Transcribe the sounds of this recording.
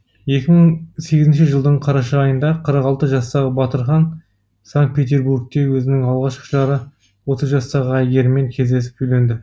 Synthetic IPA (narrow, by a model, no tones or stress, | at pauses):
je̞kʲɪməɴse̞ɡʲɪzɪnʃɪʒəlˠd̪əɴqʰɑɾɑʃɑːjənd̪ɑqʰəɾəqɑlˠt̪əʒɑst̪ɑʁəbɑt̪əɾχɑn | saŋk̚t̪̚pʲe̞t̪e̞ɾbuɾɡ̚t̪ewɵzɪnɪŋɑlˠʁɑʃqə̥ʒɑɾə | wo̞t̪əzʒɑst̪ɑʁəæjɡʲe̞ɾɪme̞ŋkʲʰe̞zd̪e̞sɪ̥p̚ʰɵjle̞nd̪ɪ